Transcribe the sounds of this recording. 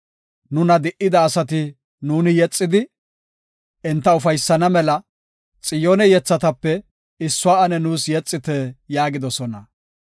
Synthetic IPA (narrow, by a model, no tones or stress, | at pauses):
nʊnɐd̪ɪʔɪd̪ɐːsɐt̪ɪ | nuːnɪjɛt͡sʼːɪd̪ɪ | ʔɪnt̪ːɐʊfɐjsːɐnɐmɛlɐ | t͡sʼɪjoːnɛjɛt͡sːɐt̪ɐpːɛ | ɪsːʊaːɐnɛnuːsjɛt͡sʼːɪt̪ɛjaːɡɪd̪ɔsɔnɐ